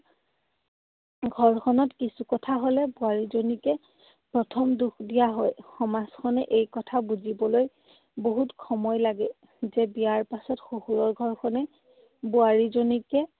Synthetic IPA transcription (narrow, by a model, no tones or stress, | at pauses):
ɡʱɔɹkʰɔnɔtkisukɔtʰaɦolɛbʊaɹizonikɛ | pɹɔtʰɔmduxdijaɦɔjxɔmaskʰɔnɛʔejkɔtʰabuzibɔloj | boɦutkʰɔmɔjlaɡɛ | zɛbijaɹpasɔtxohuɹɔɹɡʱɔɹkʰɔnɛ | buaɹizonikɛ